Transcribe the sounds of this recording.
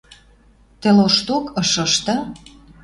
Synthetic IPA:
t̪ĕloʃt̪okɤʃɤ̆ʃt̪ɤ̆

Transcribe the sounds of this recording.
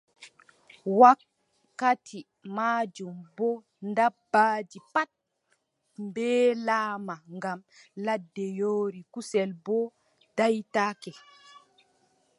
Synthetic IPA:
wakː | atʰi | maːd͡ʒumbɔ | ndabːaːd͡ʒipat̚ | mbɛːlaːmaŋɡam | ladːɛjoːɾikusɛlbɔ | d̥ajtaːkɛ

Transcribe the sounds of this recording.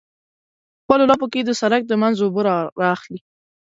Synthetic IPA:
xpəlolɑp̬oked̪əsaɾak̚d̪əmanzoboɾɾɑːxli

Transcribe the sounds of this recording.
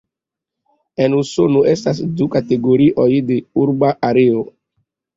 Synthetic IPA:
enusonoʔestas̬dukateɡoɾiʔojdeuɾbaʔaɾeo

